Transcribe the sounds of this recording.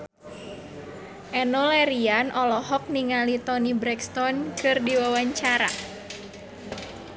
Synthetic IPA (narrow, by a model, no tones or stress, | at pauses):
ʔɛnɔlɛɾianʔɔlɔhɔk̚niŋalit̪ɔnibɾɛkst̪ɔnkɨrdiwawaɲt͡ʃaɾa̰